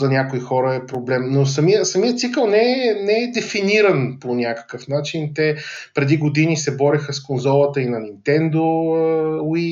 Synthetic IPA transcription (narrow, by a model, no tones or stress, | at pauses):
zɐnʲakoixɔɾəɛpɾoblɛmnos̬ɐmiəsɐmiət̪sikəlˠnɛɛnɛɛd̪ɛfiniɾɐnponʲakə̥kəfnat͡ʃint̪ɛpɾɛd̪iɡod̪inisɛbɔɾixəskonzɔlˠət̪əinɐnint̪ɛnd̪o | i